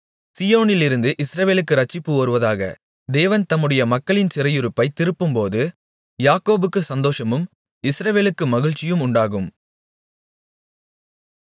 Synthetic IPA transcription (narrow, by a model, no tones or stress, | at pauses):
sɪjoːnɪlɪɾɯnd̪ɯʔɪsɾɐʋeːlɯkːɯɾɐt͡ʃːɪpːɯoːɾɯʋɐðaːɣɐ̰ | d̪eːʋɐnt̪ɐmːɯɽɐjɐmɐkːɐɭɪnsɪɾɐjʊɾɯpːɐɪt̪ɪɾɯpːɯmpoːðɯ | jaːkoːbɯkːɯsɐnd̪oːʂɐmɯm | ɪsɾɐʋeːlɯkːɯmɐɣɪɻt͡ʃːɪjɯmʊɳɖaːɣɯm